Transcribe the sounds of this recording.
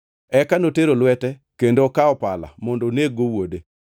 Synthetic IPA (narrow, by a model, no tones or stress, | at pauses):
ɛkanoteɾolwɛtɛkendokaɔpala̰mɔndoneɡowode